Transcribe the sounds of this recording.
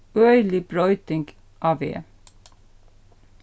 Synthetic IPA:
œʏlɪbɾɔʏt̪ɪŋɡ | ʔɑːʋḛː

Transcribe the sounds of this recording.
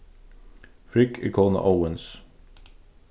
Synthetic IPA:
fɹɪkʰɪ̰kʰoːnə̰ʔaʊəns

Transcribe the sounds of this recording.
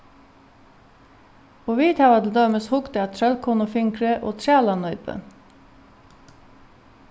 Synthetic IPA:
oːʋiːt̪ʰɑʋɑd̪l̩d̪øːməshʊkt̪əɑːt̪ʰɾœlkʰuːnʊfʏŋkɹəʔo̰ːt̪ʰɹæːlɑnœʏpə̰

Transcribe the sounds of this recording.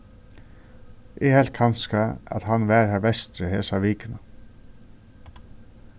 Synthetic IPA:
ʔɪhɛlt̪̚kʰanskaæ̰t̪hanʋæːɹhæbɛst̪ɾəheːsaʋiːkəna

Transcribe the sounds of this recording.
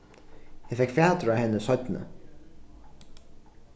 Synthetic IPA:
hafɛkfaːt̪ɾahɛnːəsœt̪nə̰

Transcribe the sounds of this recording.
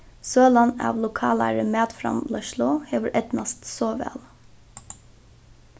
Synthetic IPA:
søːlɑnɑ̰ːʋlʊkʰɑːlæ̰ɹəmeːd̪fɾɑ̰mlœʃlʊheːʋəɾʔɛt̪nɑst̪soːʋæ̰ːl

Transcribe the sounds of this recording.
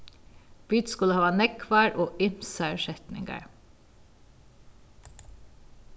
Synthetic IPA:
byːt̪skʉləhɑːʋɑːnɛkʰʋæːɹʔoːʔɪmsæɹʃɛt̪nɪ̰ŋɡə̰ɹ

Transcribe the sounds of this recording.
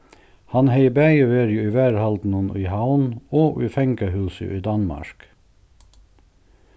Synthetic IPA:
hɑnheɪbæɪʋeːɾjʊiːʋæːɹhɑld̪n̩ənḭːhɑʊnoːʔiːfɛŋkəhʉːsə̰ʔiːd̪ɑnmɑ̰ʃk

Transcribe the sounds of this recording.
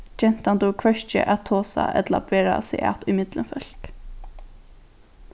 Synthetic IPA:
d͡ʒɛn̥t̪ant̪ukʰvœʃt͡ʃə̰ʔat̪ʰːoːsa̰ʔɛ̰t̪laaeːɾasɪʔa̰t̪ʊjmɪt̪lənfœl̥k

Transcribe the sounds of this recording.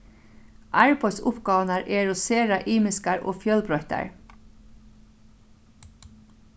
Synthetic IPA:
ʔæːɹpʰɔsʊpɡɑːʋnəɹʔeːɹʊseːɹɑʔiːmɪskəɹʔo̰ːfjœlbɹɔʏt̪ə̰ɹ

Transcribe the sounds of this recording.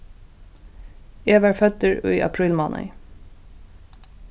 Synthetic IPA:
eːʋæːɹfœt̪əɹo̰ːiːʔɑ̰pʰɹiːlmɑːnʔə̰ɪ

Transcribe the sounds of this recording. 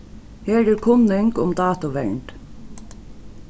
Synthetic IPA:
heːdɪːɾkʰʊnɪŋkʊmd̪ɑːt̪ʊʋɛ̰ɳɖ

